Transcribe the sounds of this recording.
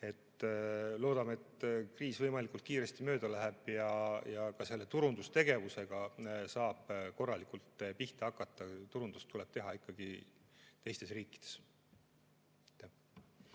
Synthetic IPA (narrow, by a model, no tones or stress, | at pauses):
e̞t̪ːlo̞ːd̪ɑmeet̪kriːsvɤjmɑlikult̪̚kiːɾe̞st̪imø̞ːd̪̥ɑlæɦeb̥jɑjɑkɑse̞lːe̞t̪uɾund̪̥ust̪e̞ɡ̥e̞vuse̞ɡ̥ɑsɑːb̥ko̞rːɑlikult̪ˑpiht̪eɑkːˑɑt̪ːˑɑt̪uɾund̪̥ust̪ːule̞b̥t̪e̞ɦɑikːɑɡ̥it̪e̞jst̪e̞sriːkːˑi̥d̪̥e̞s | t̪ːæh